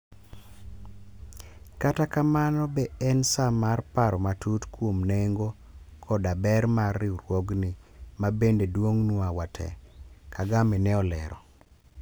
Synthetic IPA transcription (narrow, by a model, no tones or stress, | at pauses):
katakamanɔbɛɛnsamarpaɾɔmatutkwomneŋɡo | kʰɔdabɛɾmarːɪuɾwoɡnimabendedwoŋnwawatʰɛ̰kʰaɡamɛnɛɔlɛ̰ɾɔ̰